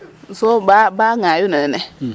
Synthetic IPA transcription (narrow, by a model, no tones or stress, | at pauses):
zobabaŋajunɛnɛnɛ